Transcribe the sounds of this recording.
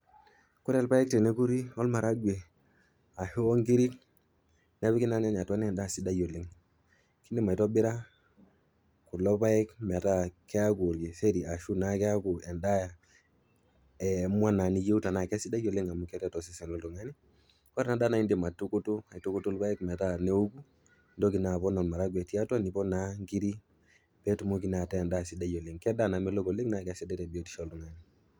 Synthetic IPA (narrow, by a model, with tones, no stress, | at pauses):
ku˦ɾe˦˨lpa˦jɛ˦k̚te˨ne˦ku˦ɾi˦ɔ˦lma˨ɾa˦ɡʷe˨ | a˨he˦wo˦ŋɡi˦ɾi˦k | n˦e˦βi˦ki˦na˦na˦ɲ˨a˨twa˦ni˦ɛ˨nda˦˨si˦da˦jo˨li˨˦ŋ | ki˦ndi˦˨ma˨to˦bi˦ɾa˦ | ku˨lɔ˦pa˦jɛ˦kmɛ˨ta˦kːe˦a˦ku˨ɾɡi˨se˦di˨a˨ʃu˦na˦kɛ˦a˦ku˨ɛ˨nda˦ja˨ | ɛ˨mwa˦na˨ni˦je˦u˦ta˨na˨kɛ˦si˦da˦ɟɔ˨li˦ŋa˨mu˦kɛ˦tɛ˦tɔ˨si˦sɛ˨nɔ˦ldu˨ŋa˦ni˦ | kɔ˦ɾna˨da˦na˨i˦ndi˨ma˨tu˦ku˦tu˦a˨tu˦ku˦tu˦lba˦ɛ˦kmɛ˨ta˦ne˦u˦ɡu˦ | ndɔ˦ɡi˨na˨βɔ˦nɔ˨nma˨ɾa˦ɡwɛ˨ti˦a˦ta˦ni˨bɔ˦na˦ŋɡi˦ɾi˦ | pɛ˦tu˨mu˦k̬i˦na˨tɛ˦˨nda˦˨si˦da˦ɟɔ˨li˨ŋkɛ˦da˦˨na˨mɛ˦lɔ˦ɡo˨li˦ŋna˦kɛ˦si˦dɛ˦tɛ˨bi˨o˦ti̥˨ʃɔ˦˨lu˨ŋa˦ni˨